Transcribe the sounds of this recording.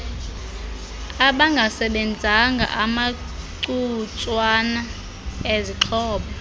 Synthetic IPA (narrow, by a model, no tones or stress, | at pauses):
aɓaŋɡʱasɛɓɛnd͡zʱaŋɡʱa̰ʔama | ǀut͡sʼwana | eziǃʰɔːɓa